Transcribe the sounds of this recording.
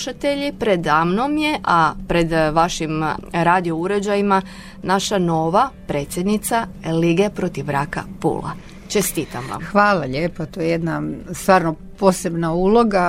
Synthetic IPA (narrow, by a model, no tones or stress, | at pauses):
ʃat̪eʎipɾe̞d̪amnomje̞ʔapɾe̞d̪ʋaʃimɾaːd̪io̞uɾe̞d͡ʑajima | naʃano̞ːʋapɾe̞ːt̪sʲjed̪nit̪saliɡe̞pɾo̞t̪iʋɾaka̰pṵːla̰ | t͡ʃe̞st̪iːt̪amʋa̰mxʋaːlˠaʎeːpot̪ojejed̪nast̪ʋaːɾno | poːsebnauːloɡa